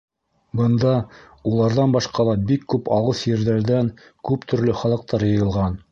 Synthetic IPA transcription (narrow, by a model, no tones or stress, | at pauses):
bɤ̆nd̪ɑ | ulˠɑɾðɑnbɑʃqɑlˠɑbikːʉpɑwɤsjɘ̆ɾðæɾðæŋ | kʉpt̪ʰɵ̆ɾlɵχɑlˠɤ̆q̚t̪ɑɾjɤ̆jɤ̆lˠʁɑn